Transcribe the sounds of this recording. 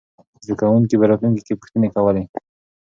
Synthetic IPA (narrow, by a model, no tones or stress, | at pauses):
zd̪akawuŋkipəɾɑt̪luŋkikepu̥xt̪ənekawəle